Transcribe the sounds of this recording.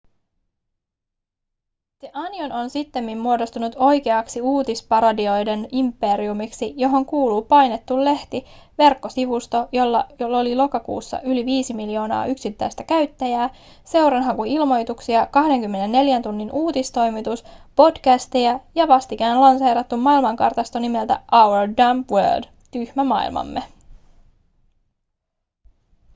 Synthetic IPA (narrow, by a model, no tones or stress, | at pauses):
t̪eʔɑniono̞nsit̪ːemːimːuo̞do̞st̪unut̪o̞jkeɑksiuːt̪ispɑɾodio̞jde̞nimpːe̞ɾiumiksijo̞ɦo̞ŋkuːluːpɑjne̞t̪ːulːe̞ht̪iʋe̞rkːo̞siʋust̪o̞jo̞lːɑjolo̞lilo̞kɑkṵːsːɑ̰ʔyliʋiːsimiljo̞ːnɑ̰ːʔyksit̪ːæjst̪ækæɥt̪ːæjæː | se̞wɾɑnɦɑŋkuilmo̞jt̪uksiɑkɑhde̞ŋkymːe̞ne̞nːe̞ljænt̪unːinuːt̪ist̪o̞jmit̪uspo̞d̥kæst̪iæjɑʋɑst̪ik̟æːnlɑnsejɾɑt̪ːumːɑilmɑŋkɑ̰rt̪ɑst̪onime̞lt̪æ̰ʔɑwodɑmpwø̰ːd | t̪yhmæmɑ̰ḭlmɑ̰mːe